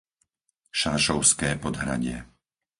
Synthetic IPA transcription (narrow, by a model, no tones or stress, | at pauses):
ʃaːʃɔʊskɛːpɔd̪ɦɾa̰ɟɪɛ